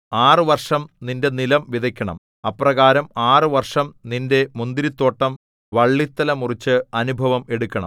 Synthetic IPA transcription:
aːrɨʋɐrʂɐmninde̞nilɐmʋiðʱɐkʲːɐɳɐ̰m | ɐpːrɐɣaːɾɐmaːrɨʋɐrʂɐmninde̞mund̪iɾit̪ːo̞ːʈːɐm | ʋɐɭːit̪ːɐlɐmurit͡ɕːɨɐnubʱɐʋɐme̞ɽukʲːɐɳɐ̰

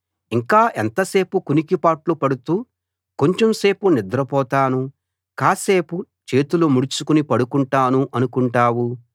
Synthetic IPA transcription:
iŋkaːʔent̪ɐse̞ːpukunikipaːʈlupɐɽut̪uː | ko̞ɲt͡ʃemse̞ːpunid̪ɾɐpɔːt̪aːnu | kaːse̞ːpu | t͡ʃe̞ːt̪ulumuɽit͡ʃukunipɐɽukuɳʈaːnuʔɐnukuɳʈaːwu

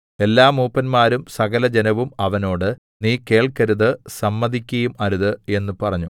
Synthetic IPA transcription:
e̞lːaːmuːpːɐnmaːɾumsɐɣɐlɐd͡ʑenɐʋumɐʋɐno̞ːɽɨ | niːke̞ːɭkɐɾuðɨsɐmːɐðikʲːɐjumɐɾuðɨe̞nːɨpɐrɐɲːu

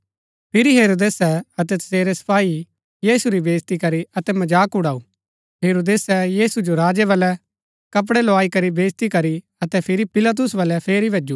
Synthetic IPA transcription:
pʰɪɾiɦeːɾoːd̪eːsɛɐt̪̬ɛt̪ɐ̥seːɾesɐ̥paːi | jiːsuɾibeːst̪ikɐɾiɐt̪ɛmɐd͡ʒaːkʊɽaːu | ɦeːɾoːd̪eːsɛjiːsud͡ʒoɾaːd͡ʒɛʋɐlɛ | kɐp̬ɽɛloaːikɐɾibeːst̪ikɐɾi | ɐt̪ɛpʰɪɾipɪlat̪̬ʊsʋɐlɛpʰeːɾibʱɐd͡ʒuː

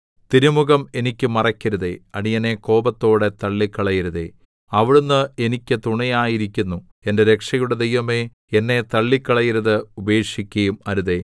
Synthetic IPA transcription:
t̪iɾumuɣɐme̞nikʲːɨmɐrɐkʲːɐɾuðḛɐɽijɐne̞ko̞ːbɐt̪ːo̞ːɽe̞t̪ɐɭːikːɐɭɐjiɾuðe̞̰ | ɐʋiɽunːɨe̞nikʲːɨt̪uɳɐjaːjiɾikʲːunːu | e̞nde̞ɾe̞kʂɐjuɽe̞d̪ejʋɐme̞ | enːe̞t̪ɐɭːikːɐɭɐjiɾɐðɨube̞ːkʂikʲːɐjumɐɾuðe̞

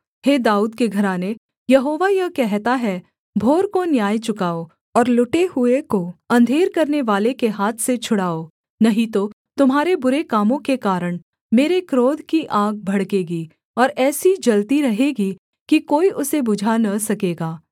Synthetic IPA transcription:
heːd̪aːuːd̪keɡʱɐɾaːne | jɐɦoːʋajɐkɛɦt̪aɦɛ | bʱoːɾkonjaːjt͡ʃʊkaːo | ɔːɾlʊʈeɦʊekoɐ̃nd̪ʱeːɾkɐɾneʋaːlekeɦaːt̪ʰset͡ʃʰʊɽaːoː | nɐɦĩt̪o | t̪ʊmɦaːɾebʊɾekaːmõkekaːɾəɽ̃ | meːɾekɾoːd̪ʱkiʔaːɡ̚bʱɐɽkeːɡi | ɔːɾɛːsid͡ʒɐlt̪iɾɐɦeːɡi | kikoːiʔʊsebʊd͡ʒʱanɐsɐkeːɡaː

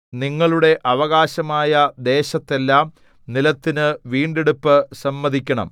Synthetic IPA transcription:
niŋːɐɭuɽe̞ʔɐʋɐɣaːɕɐmaːjɐd̪e̞ːɕɐt̪ːe̞lːaːm | nilɐt̪ːinɨʋiːɳɖeɽupːɨsɐmːɐðʱikʲːɐɳɐ̰m

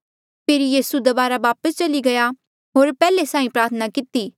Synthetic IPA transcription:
pʰeːɾijiːsud̪ɐbaːɾaʋaːpəst͡ʃɐliɡɐja | ɦoːɾpɛːlesãːĩpɾaːɾt̪ʰənakɪt̪iː

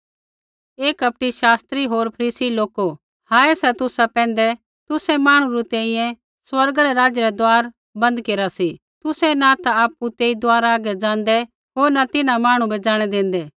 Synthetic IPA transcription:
eːkɐp̚ʈiʃaːst̪ɾiɦoːɾpʰɐɾiːsiloːko | haːɛsɛt̪ʊsapɛ̃ːnd̪ɛ | t̪ʊsɛmaːɽ̃ũɾut̪ɛ̃ːĩjɛ̃ | swɐɾɡaɾɛɾaːd͡ʒəɾɛd̪oaːɾ | bɐ̃nd̪keːɾasi | t̪ʊsɛnat̪aaːpːut̪eːid̪oaːɾaːɡɛd͡ʒãːnd̪ɛ | ɦoːɾnat̪ɪnãmaːɽ̃ũbɛd͡ʒaːɽ̃ɛd̪ẽːnd̪ɛː

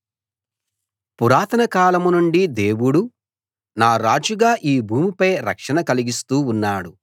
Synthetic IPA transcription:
puɾaːt̪ɐnɐkaːlɐmunuɳɖid̪e̞ːwuɽu | naːɾaːd͡ʒuɡaːʔiːbʱuːmipɐjɾɐ̰kʂɐnɐkɐliɡist̪uːnːaːɽu

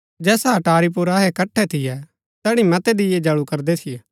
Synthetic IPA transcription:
d͡ʒɛːsaɐʈaːɾip̬ʊɾaɦɛkɐʈʰːɛt̪ʰɪjɛ | t̪ɛːɽ̃ĩmɐt̪ɛd̪ɪjɛd͡ʒɐɭukɐɾd̪ɛt̪ʰɪjɛː

